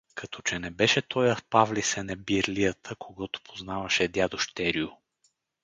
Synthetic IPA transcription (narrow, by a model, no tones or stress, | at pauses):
kɐt̪ɔt͡ʃɛnɛbɛʃɛt̪ʰɔjɐfpavlisɛnɛbiɾlijət̪ʰəkʰoɡɔt̪o̥pʰoznavɐʃɛd̪ʲjad̪oʃt̪ɛɾiʊ